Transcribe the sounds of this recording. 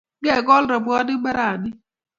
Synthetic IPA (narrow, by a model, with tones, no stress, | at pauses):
ɡe˦˨ɡɔ˦l̩˦ɾɔ˨bʊ˨˦ɔ˦dɪ˦ɡ͡ba˦ɾa˨a˨nɪ˦